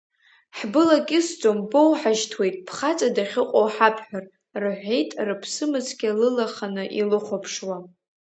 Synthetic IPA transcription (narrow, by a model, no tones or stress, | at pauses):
ħbɨlakʲʼɪsd͡zʼo̞mbo̞wħaʒtʰwe̞jtʼpʰχat͡sʼadaχʲɪqʼowħapʰħʷᶣar | rɨħʷejtʼrɨpʰsɨmɨt͡sʰɡʲalɨlaχanɨʔilɨχʷopʰʂwa